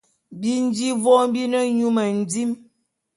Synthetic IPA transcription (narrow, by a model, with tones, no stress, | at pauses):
bi˦n˦d͡ʒi˦vɔ˦m˦bi˦nə˦ɲu˦mə˨n̩˨d͡zi˦m